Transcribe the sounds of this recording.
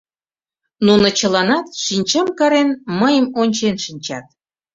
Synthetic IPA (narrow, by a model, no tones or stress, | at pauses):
nunot͡ɕəlɑnɑt̪ʃinʲt͡ɕəmkɑɾenməjəmonʲt͡ɕenʃinʲt͡ɕɑt̪̚